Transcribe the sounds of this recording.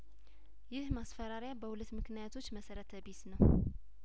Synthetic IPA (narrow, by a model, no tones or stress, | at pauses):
jɪhmasfəɾaɾjabəhulət̪mɨknijat̪ʰo̞t͡ʃːməsəɾət̪ʰəbisnəw